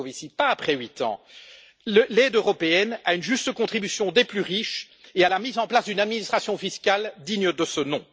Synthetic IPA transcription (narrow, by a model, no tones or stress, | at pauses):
visipaːpχɛɥit̪ɑ̰̃ | lɛd̪øʁɔpeɛnaynʒyst̪əkɔ̃t̪χibysjɔ̃d̪eplyʁiʃ | ealamizɑ̃plasd̪ynad̪minist̪χasjɔ̃fiskʲald̪iɲəd̪əsənɔ̰̃